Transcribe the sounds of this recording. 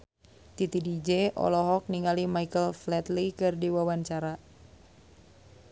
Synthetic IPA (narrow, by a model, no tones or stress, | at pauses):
t̪it̪idid͡ʒeʔɔ̰lɔɦɔk̚niŋalimaikəlflɛt̪likɨrdiwawaɲt͡ʃaɾa